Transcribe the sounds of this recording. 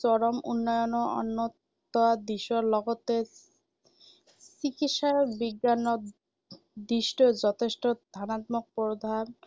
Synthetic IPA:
t͡ɕɔɾomṵnːɔjonoɔ̰nːot̪ː | ɔad̪iʃoɾlɔɡot̪e | sikitʃaɾbiɡːano | d̪iʃʈod͡ʑɔt̪ʰeʃʈod̪ʱanat̪mok̚pɾod̪ʱan

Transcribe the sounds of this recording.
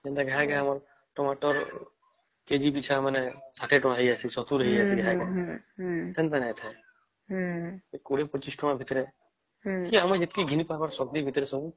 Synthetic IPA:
d͡ʒẽnt̪aɡɛɦaɡamaɾ | ʈɔmaʈɔɾ | ked͡ʒibit͡ʃʰamənɛsaʈʰeʈɔ̃ɦiasisɔt̪uɾəɦiasiɡɛɦaka | t̪ɛ̃nt̪anɛ̃t̪ʰɛ | ekuɽepət͡ʃiskɔmabʱit̪ɾe | kiamãd͡ʒet̪kiɡʱinipabaɾsɔk̚d̪ibʱit̪ɾesɔɡũ

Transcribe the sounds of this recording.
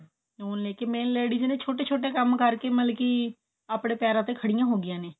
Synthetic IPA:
oːnleːkeːmeːnleːɖiːznẽːt͡ʃʰoːʈeːt͡ʃʰoːʈeːkəmkəɾkeːməlkiː | aːpɽeːpɛːɾãːt̪eːkʰəɽɪjãːɦoːɡɪjãːneː

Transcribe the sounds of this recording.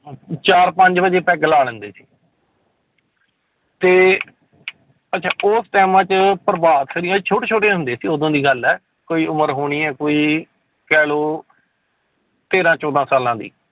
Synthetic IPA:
t͡ʃaːɾpə̃ɲd͡ʒbəd͡ʒeːpɛ̃ːɡəlaːlə̃nd̪eːsi̥ː | t̪eː | ətːʃʰaːʔosʈɛːmãːt͡ʃpəɾbaːd̪kʰəɾĩãːt͡ʃʰoːʈeːt͡ʃʰoːʈẽɦʊ̃nd̪eːsiːod̪õːd̪iːɡəlɛː | koːiːʊməɾɦoːɽ̃iːɛːkoːiː | kɛːloː | t̪eːɾãːt͡ʃɔːd̪ãːsaːlãːd̪ḭː

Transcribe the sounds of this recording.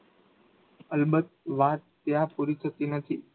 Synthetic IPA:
əlbət̪̚ʋat̪ːjãpuɾit̪ʰət̪inət̪ʰi

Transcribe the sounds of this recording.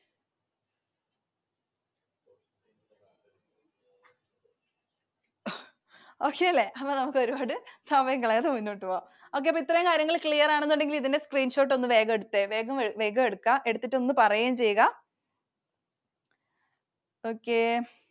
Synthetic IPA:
o̞ːkːeɐlːe̞ʔɐpːoːnɐmukːɨo̞ɾubaːɽɨsɐbɐjɐŋɡːɐɭeɐðɨmunːiʈːuʋoː | o̞ːk̬ːepːoit̪ːrɐjuŋkaːɾjɐŋːɐɭikɭijɐraːɳenːuɳɖe̞ŋɡiliðinde̞skriːnɕo̞ːʈ̬ːo̞nːɨʋe̞ːɡɐmeɽut̪ːeʋe̞ːɡɐmeʋe̞ːɡɐeɽukːɐʔe̞ɽut̪ːitːo̞nːɨpɐrɐjaːmt͡ɕe̞jːuɣɐ | oːkːe

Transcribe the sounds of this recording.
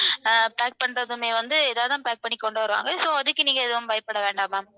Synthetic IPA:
paːk̚pɐɳrɐðɯmeːʋɐnd̪ɯɛðaːʋɐðaːpaːk̚pɐɳːɪkːɔɳɖɯʋɐɾɯʋa̰ːŋɡɐsoːɐðɯkːɯniːŋɡɐɪðɯʋɐmʋɐjɐpːɐɽɐʋeːɳɖaːmaːm

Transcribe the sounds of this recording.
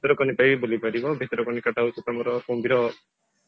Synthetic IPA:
it̪ɔɾɔkɔnipajbulibaɾibɔbʱit̪ɔɾɔkɔnikaʈawsut̪ɔmɔɾɔkombiɾɔ

